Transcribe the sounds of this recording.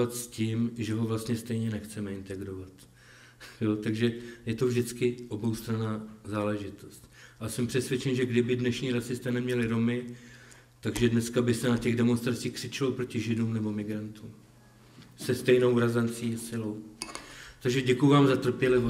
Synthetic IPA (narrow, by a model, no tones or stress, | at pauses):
at̪sciːmʒɛɦo̞vlast̪ɲɛst̪ɛjɲɛnɛxt͡sɛmɛɪnt̪ɛɡɾovat̪ | jo̞t̪aɡʒɛjɛt̪ovʒdɪt͡skɪʔo̞bo̞wst̪ɾanaːzaːlɛʒɪt̪o̞st̪ʔasɛmpr̥ɛsvjɛt͡ʃɛnʒɛɡdɪbɪdnɛʃɲiːɾasɪst̪ɛnɛmɲɛlɪɾo̞mɪ | t̪aɡʒɛdnɛskabɪsɛnacɛɣdɛmo̞nst̪ɾat͡siːxkr̥ɪt͡ʃɪlopɾo̞cɪʒɪduːmnɛbo̞mɪɡɾant̪uːm | sɛst̪ɛjno̞wɾazant͡siːasɪlo̞w | t̪aɡʒɛɟɛkujuvaːmzat̪r̩pjɛlɪvo